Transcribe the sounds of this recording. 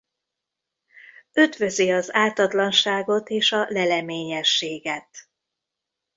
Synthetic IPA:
ød̪vø̞ziɒzaːt̪ɒt̪lɒnʃaːɡo̞t̪eːʃɒlɛlɛmeːɲɛʃːeːɡɛt̪

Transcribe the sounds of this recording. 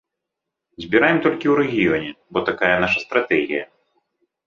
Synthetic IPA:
zʲbʲiɾajɛmt̪ɔlʲkʲiwɾɛɣʲijɔnʲɛbɔt̪akajɛnaʃɐst̪ɾat̪ɛɣʲijɐ

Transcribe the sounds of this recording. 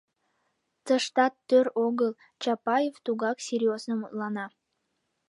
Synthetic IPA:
t̪əʃt̪ɑt̪ːøɾoɣəl | t͡ɕɑpɑjeft̪uɣɑksʲerʲjoznəmut̪lɑnɑ

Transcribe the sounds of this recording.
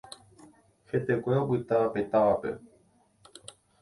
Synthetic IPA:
het̪ekʷeopɨt̪aapet̪aʋapḛ

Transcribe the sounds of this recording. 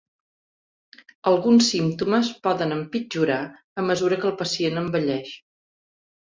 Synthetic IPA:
əlˠɣunsːimt̪uməspɔðənəmpid͡ʒuɾa | əməzuɾəkəːlˠpəsienəmbəʎɛʃ

